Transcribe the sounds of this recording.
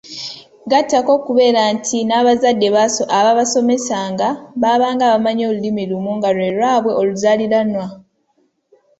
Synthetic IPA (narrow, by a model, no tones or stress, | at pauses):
ɡatːako̞kuβe̞ːɾantʰinaːβazadːe̞βaaβaβaso̞me̞saːŋɡaβaβaːŋɡaːβamaɲo̞ːlulimilumuŋɡalwe̞ːlwaːβwe̞o̞luzaliɾanwa